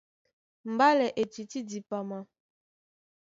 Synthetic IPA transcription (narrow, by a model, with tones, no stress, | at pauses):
m̩˨ba˦lɛ˨ʔe˨t͡ʃi˨ti˦di˨pa˨ma˨